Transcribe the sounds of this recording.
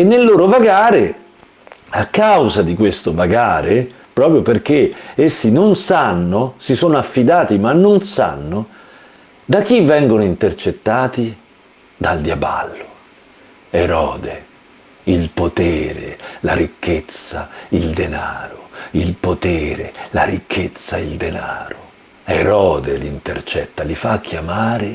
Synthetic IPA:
enːelːoːɾovaɡaːɾe | akːawzad̪ikwest̪ovaɡaːɾe | pɾɔːpɾjoperk̟eesːinonsanːosisoːnoafːid̪aːt̪imanːonsa̰nːo | d̪ak̟ːivːɛŋɡonoint̪ert͡ʃet̪ːaːt̪i | d̪ald̪jaba̰lːo | eɾɔːd̪e | ilpot̪eːɾḛlaɾikʰːet̪sːaild̪enaːɾoilpot̪eːɾḛla̰ɾikʰːet̪sːaild̪ena̰ːɾo | eɾɔːd̪eliint̪ert͡ʃɛt̪ːalifakʰːjamaːɾe

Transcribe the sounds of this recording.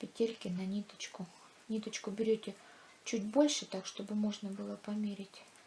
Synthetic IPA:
pʲɪtʲelʲkʲɪnɐnʲit̪ə̥t͡ɕkʊ | nʲit̪ət͡ɕkʊbʲɪɾʲotʲɪ | t͡ɕudʲbo̞lʲʂɨt̪akʂt̪o̞bɨmo̞ʐnəbɨlˠəpɐmʲeɾʲɪtʲ

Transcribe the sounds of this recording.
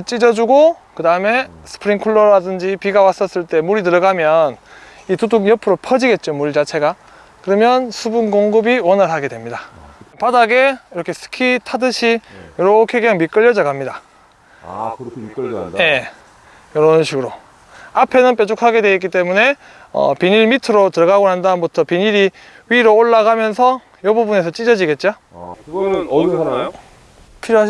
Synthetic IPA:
t͡ɕ͈id͡ʑʌd͡ʑuɡokɯdaɯme̞ | sʰɯ̥pʰɯɾiŋkʰuɭːʌɾadɯnd͡ʑipiɡawas͈ʌs͈ɯɭt͈e̞muɾitɯɾʌɡamjʌn | ituduɡjʌpʰɯɾopʰʌd͡ʑiɡe̞t̚t͡ɕ͈omuɭt͡ɕat͡ɕʰe̞ɡa | kɯɾʌmjʌnsʰubunɡoŋɡɯbiwʌnɯɭɦaɡe̞dwe̞mɲidapadaɡe̞iɾʌkʰe̞sʰɯ̥kʰitʰadɯɕʰijʌɾʌokʰeɡʌŋmik͈ɯʎːʌd͡ʑʌɡamɲida | je̞ | jʌɾʌnɕʰiɡɯɾo | apʰe̞nɯnp͈et͡ɕʰokʰaɡe̞dwe̞ik͈it͈e̞mune̞ | ʌ̰piɲiɾmitʰɯɾotɯɾʌɡaɡoɦandanbutʰʌpiɲiɾi | ɥiɾooɭːaɡamjʌnsʰʌ | jʌbubune̞s̬ʰʌt͡ɕ͈id͡ʑʌd͡ʑiɡe̞t̚t͡ɕ͈o | kʰiɾ

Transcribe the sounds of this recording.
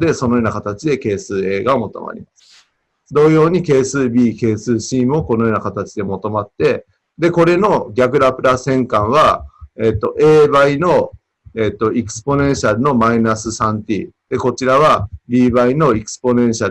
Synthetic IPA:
d̪e̞so̞no̞jo̞ːnakat̪at͡ɕid̪e̞ke̞ːsɨːe̞ːɡaomo̞t̪o̞̰ma̰ɾʲḭmasɨ̥ | d̪o̞ːjo̞ːɲ̟ike̞ːsɨːbʲiːke̞ːsɨːɕiːmɯ̟oko̞no̞jo̞ːnakat̪at͡ɕid̪e̞mo̞t̪o̞mat̪ːe̞ | d̪e̞ko̞ɾe̞no̞ɡʲakɯ̟ɾapɯ̟ɾasẽ̞ŋkãɰ̃β̞aeːt̪ːo̞ʔe̞ːbaino̞ | e̞ːt̪ːo̞ikɯ̥sɨ̥po̞nẽ̞ɰ̃ɕaɾɯ̟no̞mainasɨsãnt̪ʲḭd̪̥e̞ko̞t͡ɕiɾaβ̞abʲiːbaino̞ikɯ̥sɨ̥po̞nẽ̞ɰ̃ɕa

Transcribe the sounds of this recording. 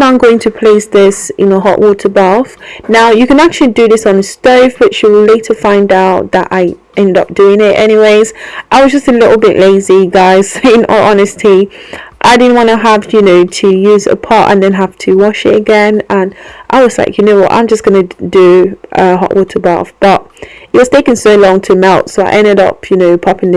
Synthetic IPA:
nãɪ̃mɡoʊɪ̃ŋtʰəpʰl̥eɪsðɪsɪ̃nəɦɒ̰ʔwʔɔˑtʰəbʌfnaʊjɨkə̃nak̚t͡ʃʉəl̩ˠidɨðɪsn̩stoʊvb̥ʌt͡ʃəleɪtʰəfãɪ̃ndaʊt̪̚ðəɾa̰ɪ | ʔɛ̃ndʌ̰p̚d̥ʉɪ̃ŋɪtɛ̰ɾ̃iweɪz̥ʔaɪwʌzd͡ʒʌstəlɪʔl̩ˠbɪʔleɪziɡaɪz̥ɪ̃nə̰ʔɒnɨstʰiʔaɪdɪdⁿn̩ʔwɑ̃ñəɦəvjɨnoʊtʰɨjʉzə̰pʰɑˑtə̰̃nðɨ̃nɦaftʰɨwɑʃɪ̰tɨɡɛ̃nə̃nʔaɪwʌz̥laɪkʰjɨnoʊwʌ̰ʔã̰ɪ̃md͡ʒʌsɡ̥ʌnɨdəʔəɦɑ̰ʔwʔɔtʰə˞ba̰fb̥ʌʔ̚ɪt̚wʌz̥tʰeɪkɪ̃nsoʊlɔ̃ŋtʰəmɛlˠtsoʊaɪʔɛ̃ndɪɾʌ̰pʰjɨnoʊpʰʌpɪ̃ŋ

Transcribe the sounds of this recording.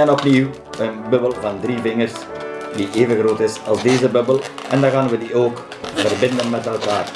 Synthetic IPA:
ɛnɔpniw | ənbøbəlˠvɑndriːvɪŋərsdiʔeːvəɣroːtɪsɑlˠsdeːzəbøbəlˠɛndaɣaːnʋədioːk | vərbɪndənmɛtɛlˠkaːr

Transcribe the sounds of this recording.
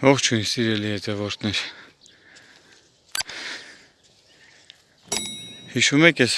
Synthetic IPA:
ɔʁt͡ʃʰuinsiɾɛlihɛt̪ʰɛvɔɾt̪ʰnɛɾ | hiʃumɛkʰjɛs

